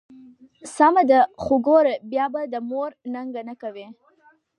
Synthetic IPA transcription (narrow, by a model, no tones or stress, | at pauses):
samad̪əxʊɡoɾabjɑbad̪əmoɾnaŋɡanəkawi